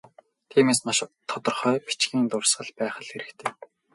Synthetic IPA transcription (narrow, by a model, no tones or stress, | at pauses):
t̪ʰiːmeːsmaʃt̪ʰːɔt̪ɞ̆rχœːpi̥t͡ɕɡiːnt̪ʊrsɢə̆ɮpæːχə̆ɮxeɾɘ̆kt̪ʰeː